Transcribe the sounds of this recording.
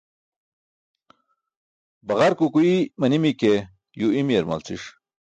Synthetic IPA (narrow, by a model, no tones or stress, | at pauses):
bɐʁaɾkukuimɐnimike | juimieɾma̰lt͡sḭʂ